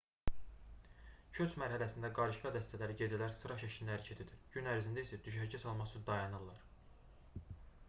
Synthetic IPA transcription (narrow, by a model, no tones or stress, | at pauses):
cʰøt͡ʃmæɾɦælæsind̪æɡɑɾɯʃɡɑd̪æst̪ʰælæɾiɟe̞d͡ʒælæɾsɯɾɑʃæʃind̪ææɾcʰet̪ʰid̪iɾɟynæɾzind̪æisæd̪yʃæɾɟæsɑlˠmɑsud̪ɑjɑnɯlˠːɑɾ